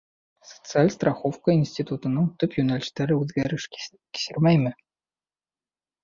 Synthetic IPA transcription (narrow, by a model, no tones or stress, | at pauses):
so̥t̪sɨalʲst̪rɑxofkəinsʲtʲit̪ut̪ɤ̆nɤŋt̪ɵpjunɑlʲisʲt̪ːæɾɘʉd̪ɡʲæɾɘʃ | kʲi̥sʲɘrmʲæjmʲɘ̆